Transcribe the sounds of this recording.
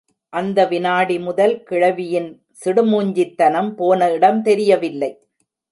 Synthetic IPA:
ʔɐnd̪ɐʋɪnaːɽimʊðɐlkɪɻɐʋɪjɪn | sɪɽɯmuːɲd͡ʒɪt̪ːɐnɐmpoːnɐɪɽɐmt̪ɛɾɪjɐʋɪlːɐɪ

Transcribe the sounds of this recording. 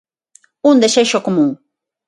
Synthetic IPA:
ʊnd̪aʃaʃokmʊŋ

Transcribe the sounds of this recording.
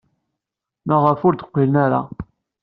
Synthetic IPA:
mæʁəfʊɾd̪ə̥qʷːilənaɾa̰

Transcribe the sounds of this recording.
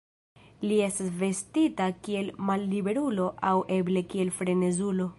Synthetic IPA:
lie̞stasve̞stitakie̞lmalːibe̞ɾulo̞ʔawʔe̞ble̞kie̞lfɾe̞ne̞zulo̞

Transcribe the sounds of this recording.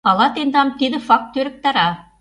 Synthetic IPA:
ɑlˠɑt̪end̪ɑmt̪ed̪ɘfɑk̚t̪ːøɾɘ̆k̚t̪ɑɾɑ

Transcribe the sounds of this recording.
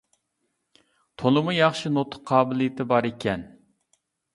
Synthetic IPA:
t̪ʰolˠɨmujɑχʃinot̪ʰʊ̥qʰːɑːbɪlijɪt̪ʰɪbɑɾekʲʰɛn

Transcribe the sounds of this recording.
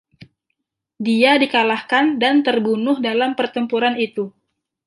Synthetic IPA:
diadikalahkandant̪ərbunʊhdalampərt̪əmpuɾanit̪u

